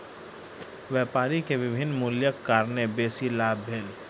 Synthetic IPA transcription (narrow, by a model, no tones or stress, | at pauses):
ʋjeːpaːɾikeʋɪbʱɪnːmʊljəkːaːɾnebeːsilaːbʱeːl